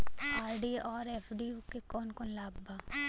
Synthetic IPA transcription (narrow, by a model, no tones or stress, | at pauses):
aːɾɖiɔːɾeːpʰɖiukekɔːnkɔːnlaːbbaː